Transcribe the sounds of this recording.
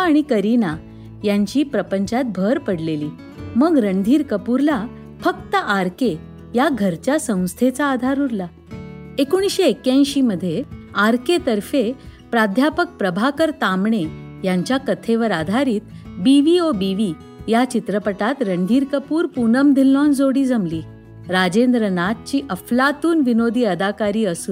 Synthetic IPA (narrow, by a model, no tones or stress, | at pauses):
aɽ̃ikəɾina | jaɲt͡ɕiːpɾəpəɲt͡ɕat̪̚bʱəɾpəɽleliː | məɡɾəɳd̪ʱiːɾkəpuɾla | fək̚t̪əʔaɾke | jaɡʱəɾt͡ɕjasə̃w̃st̪ʰet͡saːd̪ʱaɾuɾla | ekuɽ̃isɕeːkjãj̃ɕiːməd̪ʱːjeaɾket̪əɾfe | pɾad̪ʱjapək̚pɾəbʱakəɾt̪amɳe | jaɲt͡ɕjakət̪ʰeʋəɾad̪ʱaɾiːt̪̚biʋiobiʋiː | jat͡ɕit̪ɾəpəʈat̪ɾəɳd̪ʱiɾkəpuːɾpunəmd̪ʱilːɔ̃nd͡zoɽiːd͡zəmliː | ɾad͡ʑend̪ɾənat̪̚t͡ɕiːʔəflat̪uːnʋinod̪ʱiːəd̪ʱakaɾiːəsuːn